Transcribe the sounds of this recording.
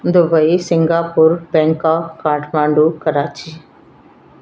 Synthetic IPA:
d̪ʊbəisɪŋɡaːpʊɾbɛ̃ːŋkaːkaːʈʰmãːɳɖuːkəɾaːt͡ʃiː

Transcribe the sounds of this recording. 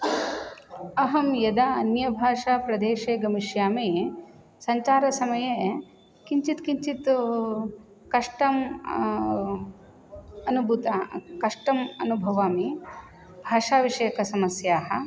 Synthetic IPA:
ɐɦɐmjɐd̪aɐnjɐbʱaːʂaːpɾɐd̪eːʃeːɡɐmiʃjaːmeː | sɐɲt͡ʃaːɾɐsɐmɐje | kiɲt͡ʃit̪kiɲt͡ʃit̪ | kɐʂʈɐm | ɐnubʱut̪aːkɐʂʈɐmɐnubʱɐʋaːmi | bʱaːʂaːʋiʂɐjɐkɐsɐmɐsjaːɦɐ̆

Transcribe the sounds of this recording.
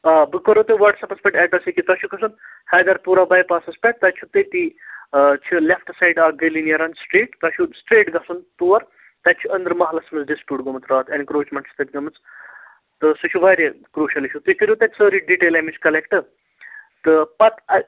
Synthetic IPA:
aːbɨkoɾot̪ɨʋɐʈsɐpɐspʲɛʈɛːʈɐsikit̪ɐʃʰukʰɐsunhɐjd̪ɐɾpuːɾabɐjpaːsɐspʲɛʈ̚t̪ɐt͡ʃʰut̪ɨt̪i | t͡ʃʰulefʈsajɖaːɡɐlinjɐɾɐnsʈɾeːʈt̪ɐʃusʈɾeːʈɡɐsunt̪uːʋɐɾ | t̪ɐt͡ʃʰuɐnd̪ɾmɐɦlɐsmɐt͡sɖispʲjuːʈɡomɐt̪ɾaːt̪ɐnkɾoːt͡ʃmɐɳʈsʰt̪ɐt̪ʲɡɐmɨt͡s | t̪ɨsut͡ʃʰuʋɐjɾʲe | kɾuːʃɐliʃʰut̪ukiɾʲut̪ɐt͡səːɾiɖiʈeːlɐmiskɐlekʈɨ | t̪ɨpɐt̪ɐ

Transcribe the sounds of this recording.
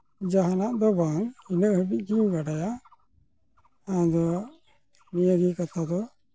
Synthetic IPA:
d͡ʒaɦanaʔd̪ɔbaŋinəʔɦəbic̚ˀɡiɲbaɖaja | ãd̪ɔ | nijəɡikat̪ʰad̪ɔ

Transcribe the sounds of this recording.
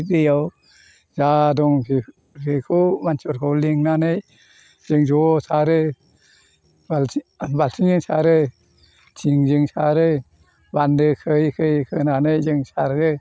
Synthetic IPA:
ɾɯjaw | zadɔŋpi | pʰɯkʰɯmansʰɔɾkʰɔwliŋnanɯj | zɯŋzɔsaɾɯ | albalsʰiŋzɯŋsaɾɯ | tʰiŋzɯŋsaɾɯ | bandɯkʰɯjkʰɯjkʰɯnanɯjzɯŋsaɾɯ

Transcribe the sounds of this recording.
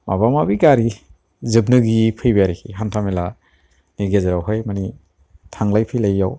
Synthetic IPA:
mʔa̰βamabiɡaɾi | zɯbnɯɡipʰɯjbjaɾikʰiɦantʰamela | niɡezaɾawɦɯjmani | tʰaŋlajpʰɯjlajːaw

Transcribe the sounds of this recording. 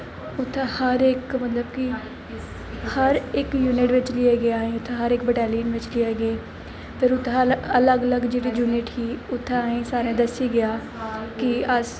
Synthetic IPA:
ʊt̪ʰːẽːhəɾɪkmət̪ləbkɪ | həɾɪkjuːnɪʈʋɪt͡ʃlɪeːɡɪjaːĩːʊt̪ʰːeɦəɾɪk̚bɛʈɛːliːənʋɪt͡ʃlɪeːɡɪeː | pʰɪɾʊt̪ʰːeələɡələɡd͡ʒeːɽiːd͡ʒuːnɪʈkiːʊt̪ʰːẽaːĩːsaːɾẽːd̪əsiːɡɪjaː | kɪəs

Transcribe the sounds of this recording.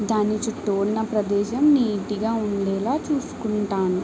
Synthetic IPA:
d̪aːnit͡ʃuʈːoɽnɐpɾɐd̪ɛːʃɐmniːʈiɡaːuɳlɛːlaːt͡ʃuːsu̥kuɳʈaːnu

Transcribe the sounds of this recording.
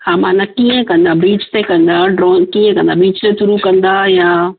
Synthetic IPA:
haːmãːnakiːə̃kɐ̃nd̪abiːt͡ʃt̪ekɐ̃nd̪aɖɾɔːnkiːə̃kɐ̃nd̪abiːt͡ʃt̪et̪ʊɾukɐ̃nd̪ajaː

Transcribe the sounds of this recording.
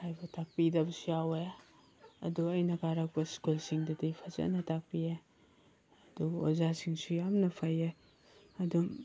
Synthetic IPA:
hʰajbɐtʰak̚pidɐbɐsujawe | ɐ̰duɐjnɐkaɾak̚pɐskulsiŋdɐdipʰazɐ̰nɐtak̚pie | ɐduozasiŋsujamnɐpʰaje | ɐdu

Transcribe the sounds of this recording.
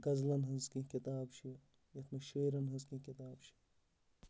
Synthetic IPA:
ɡɐzlɐnɦɐzkĩkit̪aːbt͡ʃʰi | jɐt̪ʰnɐʃeːɾɐnɦɐzkĩkit̪aːbt͡ʃʰi̥

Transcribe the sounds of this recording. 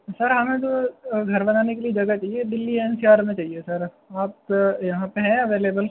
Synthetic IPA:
sɐɾɦɐmẽt̪oɡʱɐɾbɐnaːnekelied͡ʒɐɡɐt͡ʃaːɦied̪ɪlːiɛːnsijaːɾmẽt͡ʃaːɦiesɐɾ | aːp̚jɐɦãpeɦɛ̃ɐʋeːleːbəl

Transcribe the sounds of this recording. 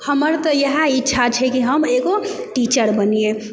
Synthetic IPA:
həməɾt̪ɔjəɦãitːʃʰat͡ʃʰɛkiɦəmeɡo | ʈit͡ʃəɾbənie

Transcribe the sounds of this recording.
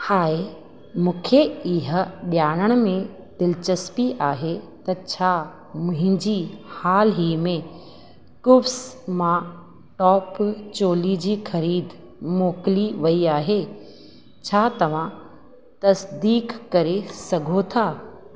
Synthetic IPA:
haːe | mũːkʰeɪɦə̆ɗjaːɽ̃əɽ̃mẽ | d̪̥ɪlt͡ɕɐspiʔaːɦet̪ɐt͡ɕʰaː | mʊ̃ɦɪ̃ɲd͡ʑihaːlɦiːmẽ | kʊfsmã | ʈɔːpt͡ɕoːlid͡ʑiːxɐɾiːd̪ | moːkɪliʋɐiaːɦe | t͡ɕʰaːt̪ɐʋ̤ã | t̪ɐsd̪iːkːɐɾesɐɡʱot̪ʰaː

